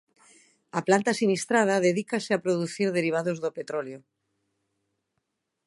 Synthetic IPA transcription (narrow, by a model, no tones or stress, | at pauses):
aplant̪asinist̪ɾað̞aðeðikaseapɾoðuθiɾðeɾiβ̞aðozðopet̪ɾoljo